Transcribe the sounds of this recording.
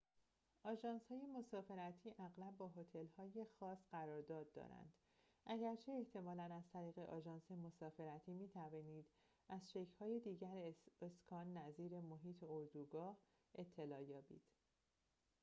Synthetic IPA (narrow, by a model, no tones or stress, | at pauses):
ʔɒːʒɒːnshɒːje̞mo̞sɒːfe̞ɾæt̪ʰiːʔæɣlæbːɒːɦo̞t̪ʰe̞lhɒːje̞xɒːsɢæɾɒːɾd̪ɒːd̪̚ːɒ̰ɾæ̰nd̪̥ | ʔæɟæɾt͡ʃʰe̞ːht̪ʰe̞mɒːlænæzt̪ʰæɾiːɣe̞ʔɒːʒɒːnse̞mo̞sɒːfe̞ɾæt̪ʰiːmiːt̪ʰæviːniːd̪̥ | æzʃe̞cʰhɒːjed̪iːɟæɾeskʰɒːnːæziːɾe̞moɦiːt̪ʰeoɾd̪uːɡɒːh | ʔe̞t̪ʰːe̞lɒːjɒːbḭːd̪̥